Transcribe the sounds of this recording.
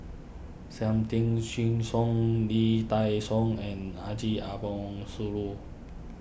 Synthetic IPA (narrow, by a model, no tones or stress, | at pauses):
sɛmt̪iŋsiŋsɔŋlit̪ajsɔŋɛnad͡ʒiʔabɔŋsulu